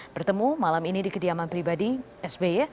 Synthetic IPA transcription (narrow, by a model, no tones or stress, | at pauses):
b̥ərt̪əmumalaminidikədiamanpɾibadi | ɛsbe